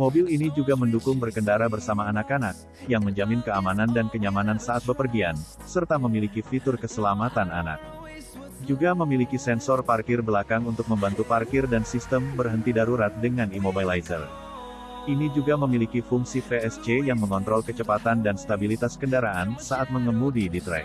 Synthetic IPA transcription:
mobilinid͡ʒuɡaməndukʊŋbərkəndaɾabərsamaːnakanak̚ | jaŋməɲd͡ʒamɪnkəamanandankəɲamanansaːt̪̚bəpərɡian | sərt̪aməmilikifit̪ʊrkəsəlamat̪ana̰na̰k̚ | d͡ʒuɡaməmilikisɛnsɔrparkɪrbəlakaŋunt̪ʊk̚məmbant̪uparkɪrdansist̪əmbərɦənt̪idaɾuɾat̪̚dəŋanimobailajtə̰r | ʔinid͡ʒuɡaməmilikifuŋsifeɛst͡ʃejaŋməŋɔnt̪ɾɔlkət͡ʃəpat̪andanst̪abilit̪askəndaɾaansaat̪̚məŋəmudidit̪ɾɛ̰k̚

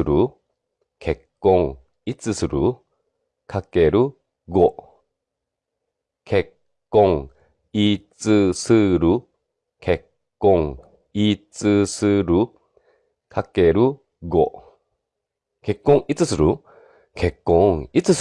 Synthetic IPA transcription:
ɨɾɯ | kʰekːõŋ | it͡sɨsɨɾɯ | kʰakeɾɯ | ɡo | kʰekː | õŋ | it͡sɨsɨɾɯ | kʰekː | õŋ | it͡sɨsɨɾɯ | kʰakeɾɯ | ɡo | kekːõŋit͡sɨsɨɾɯ | kʰekːõŋit͡sɨs

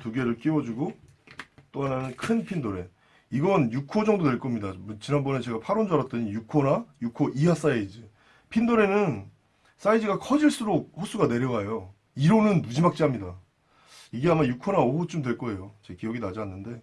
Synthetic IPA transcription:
tuɡe̞ɾɯɭk͈iwʌd͡ʑuɡo | t͈oɦananɯnkʰɯnpʰindoɾe̞ | iɡʌnjukʰod͡ʑʌŋdodwe̞ɭk͈ʌmɲidamt͡ɕinanbʌne̞t͡ɕe̞ɡapʰaɾond͡ʑaɾat̚t͈ʌɲijukʰonajukʰoʔiɦas͈aid͡ʑi | pʰindoɾe̞nɯn | s͈aid͡ʑiɡakʰʌd͡ʑiɭs͈uɾok̚ɸos͈ʰuɡane̞ɾjʌɡajo | iɾonɯnːud͡ʑimak̚t͡ɕ͈iɦamɲida | iɡeamajukʰonaohot͡ɕ͈omdwe̞ɭk͈ʌe̞jot͡ɕekiʌɡinad͡ʑanːɯnde̞

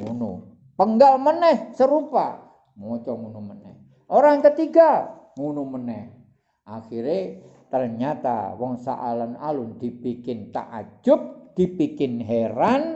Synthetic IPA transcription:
ŋunṵ | pəŋɡalmənɛhsəɾupa̰ | mɔt͡ʃɔŋunumənɛ̰h | ʔoɾaŋkət̪iɡaŋunumənɛh | ʔaxiɾet̪ərɲat̪a̰wɔŋsa̰ʔa̰lanalʊnd̪̥ipikɪnt̪a̰ʔa̰d͡ʒʊk̚d̪̥ipikɪnɦeɾan

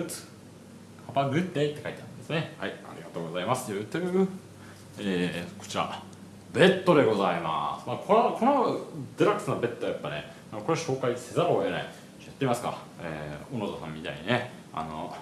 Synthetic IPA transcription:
kʰabaɡɯ̟t̪ːet̪ːe̞kait̪eaɯ̰̃nd̪esɨnehaia̰ɾʲiɡat̪o̞ːɡo̞zaimasɨ̥jɯ̟t̪ːejɯ | eːko̞̥t͡ɕiɾa̰ | be̞t̪ːo̞d̪e̞ɡo̞zaima̰sɨ̥maːkʰonokʰo̞nod̪eɾakɯ̥sɨnobe̞t̪ːoajapːane | anoko̞ɾeɕo̞ːkaise̞zaɾoena̰i | t͡ɕjat̪ːeimasɨ̥ka̰ḛːonozosã̰mʲːit̪a̰iɲine | a̰no̰

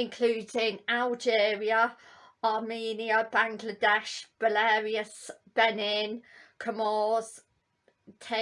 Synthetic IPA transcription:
ɪ̃nkʰl̥uːdɪŋalˠd͡ʒɛːɹiə | ɑːmiːniəbãŋɡlədɛʃb̥əlɛːɹiəsb̥ɛnɪnkʰəmɔːz̥ | tʰe

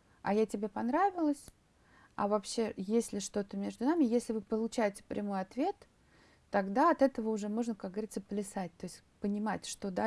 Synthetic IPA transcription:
ɐjatʲɪbʲe̞pɐnɾavʲɪlˠəsʲ | ɐ̰vɐpɕːe̞jesʲlʲɪʂt̪o̞t̪əmʲe̞ʐd̪ʊnamʲɪjesʲlʲɪvɨpəlˠʊt͡ɕæjɪtʲɪ̥pɾʲʔɪmo̞jɐt̪vʲe̞t̪ː | ɐɡd̪aɐt̪ɛt̪əvəʊʐɛmo̞ʐnəkak̚ɡəvɐɾʲit̪səplʲɪsat̚ʲt̪o̞jɪsʲ | pənʲɪmatʲʂt̪o̞d̪a

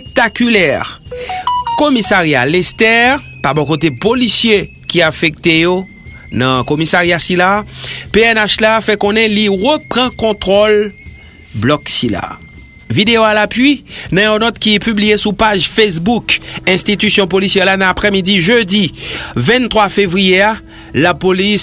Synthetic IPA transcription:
pek̚t̪akylɛʁ | komisaʁja̰lɛst̪ɛʁ | pabɔ̃kot̪̬epolisje | kiafɛk̚t̪ejo | nɐ̃komisaʁjasilapeɛnaʃlafɛkɔ̃nɛ̃liʁəpʁɑ̃kɔ̃t̪χɔl | blɔksila̰ | vid̪eoalapɥinɐ̃jɔ̃nɔt̪kipyblijesupaʒfesbukɛ̃st̪it̪ysjɔ̃polisjɛʁlanãapʁɛmid̪iʒød̪ivɛ̃nt̪χwafevʁijea | lapolis

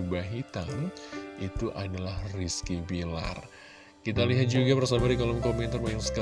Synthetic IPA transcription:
baɦit̪anit̪uʔadalahriskibila̰r | kit̪aliɦat̪̚d͡ʒuɡapərsabadikolɔmkoment̪armajaŋsə̥ka

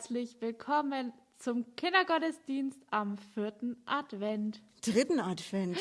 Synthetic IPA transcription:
t͡slɪçv̥ɪlkʰɔmən | t͡sʊmkʰɪndɐɡɔtəsd̥iːnstamfɪɐtn̩ʔadv̥ɛnt | d̥ʁɪtn̩atv̥ɛnt

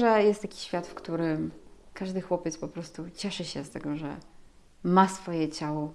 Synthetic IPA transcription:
ʐɛjɛst̪jakʲi̥ɕfʲjat̪fkt̪uɾɘmkaʐd̪ɘxwɔpʲjɛt̪spɔpɾɔst̪ut͡ɕɛʂɘɕɛst̪ɛɡɔʐɛ̰ | masfɔjɛt͡ɕawɔ

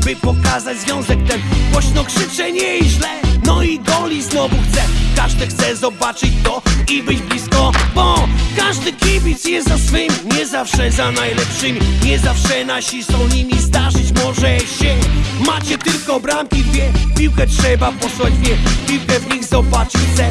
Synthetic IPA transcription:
bɘpɔkazad͡ʑzvʲjɔ̃w̃zɛkt̪ɛɡvwaɕnɔkʂɨt͡ʂɛɲɛiʑlɛnɔiɡɔlʲiznɔvuxt̪sɛkaʐd̪ɨxt̪sɛzɔbat͡ʂɨt͡ɕt̪ɔibɘd͡ʑblʲiskɔbɔkaʐd̪ɨkʲebʲit̪sjɛzasfɨmʲiɲɛzafʂɛzanajlɛpʂɨmʲiɲɛzafʂɛnaɕisɔ̃w̃ɲimʲizd̪aʐɨt͡ɕmɔʐɛɕɛmat͡ɕɛt̪ɪlkɔbɾamkʲid̪vʲjɛpʲiwkɛtʂɛbapɔswad͡ʑvʲjɛpʲiwkɛvɲixzɔbat͡ʂɨt͡ɕxt̪sɛ

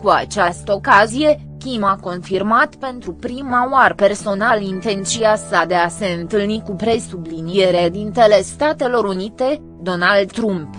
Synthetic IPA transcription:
kua̰t͡ʃast̪əokazije̞ | kʲimako̞nfirmat̪pe̞nt̪ɾupɾimaoarpe̞rso̞nalint̪e̞nt̪t͡ʃiasad̪e̞ase̞ɨnt̪ɨlnikupɾe̞sublinie̞ɾed̪int̪ele̞st̪at̪e̞lo̞ɾunit̪e̞ | d̪o̞nald̪t̪ɾump

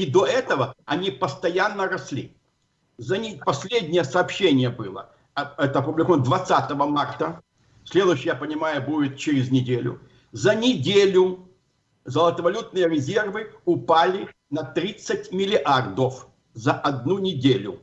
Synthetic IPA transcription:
id̪oɛt̪əvəɐnʲipəst̪ɐjanːəɾɐsʲlʲḭ | zɐnʲipɐsʲlʲedʲnʲɪjəsɐːpɕːenʲɪjəbɨlˠə | ɐɛt̪əɐpʊblɪkovnd̪vɐt̪sat̪əvəmart̪ə | sʲlʲe̞d̪ʊjɕːɪjapənʲɪmajʊbudʲɪt̪̚t͡ɕɪɾʲɪznʲɪdʲelʲʊ̰ | zənʲɪdʲelʲʊ | zəlˠət̪əvɐlʲut̪̚nɨjəɾʲɪzʲe̞rvɨʊpalʲɪ | nɐt̪ɾʲit̪sːətʲmʲɪlʲɪʔard̪əf | zɐʔɐd̪̚nunʲɪdʲelʲʊ

